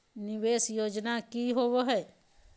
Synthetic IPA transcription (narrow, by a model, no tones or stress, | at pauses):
nɪʋeːsjoːd͡ʒnakiːɦoːwoɦɛː